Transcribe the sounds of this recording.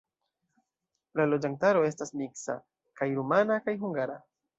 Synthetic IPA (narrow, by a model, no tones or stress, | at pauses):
lalo̞d͡ʒantaɾo̞e̞stasmiksa̰ | kajɾumanakajɦuŋɡaɾa